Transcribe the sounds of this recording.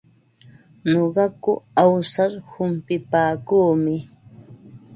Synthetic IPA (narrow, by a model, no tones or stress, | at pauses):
ɲoɢɑkʊawsaɾhʊmpɪpaːkuːmɪ